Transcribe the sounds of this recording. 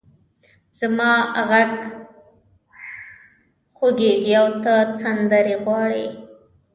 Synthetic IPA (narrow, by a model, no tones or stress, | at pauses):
z̥amɑɣaɡ | xoɡeɡiawt̪at͡sand̪aɾeɣwɑɽi